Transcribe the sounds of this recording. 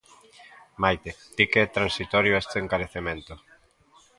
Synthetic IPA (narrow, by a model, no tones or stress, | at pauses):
majt̪ed̪̥ikeɛt̪ɾansit̪ɔɾjoɛst̪eeŋkaɾeθemẽnt̪o